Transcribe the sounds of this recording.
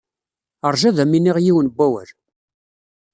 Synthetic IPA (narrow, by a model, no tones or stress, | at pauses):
əɾˤʒæðæminiʁjiwənbːæwə̰ɾ